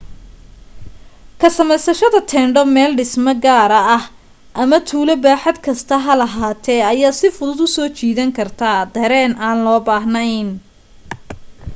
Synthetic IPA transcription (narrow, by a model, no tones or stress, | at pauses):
kʰɐsɐmɛjsɐʃɐðɐt̪ʰɛːɳɖɔmɛːlɖɪsmɐɡaːɾɐɐh | ʔɐmɐt̪ʰuːlɐbaːħɐd̪kʰɐst̪ʰɐɦɐlɐɦaːt̪ʰɛɐjaːsɪfʊðʊd̪ʊsɔːt͡ʃʰiːðɐŋkʰɐrt̪ʰaːd̪ɐɾɛːnʔaːnlɔːbaːɦnɐjn